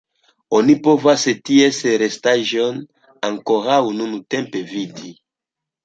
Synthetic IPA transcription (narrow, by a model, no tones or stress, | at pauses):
onipovasetieseɾestaʒon | aŋkoɾawnunute̞mpe̞vidi